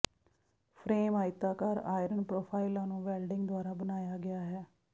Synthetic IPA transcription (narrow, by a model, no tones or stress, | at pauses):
pʰɾeːmaːɪt̪aːkəɾa̰ːɪɾənpɾoːpʰaːɪlãːnũːʋɛːlɖɪ̃ŋɡd̪oʊaːɾaːbənaːjaːɡɪjaːɦɛː